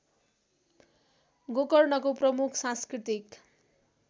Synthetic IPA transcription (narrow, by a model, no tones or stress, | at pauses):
ɡokʌrnʌkoprʌmukʰsãnskrit̪ik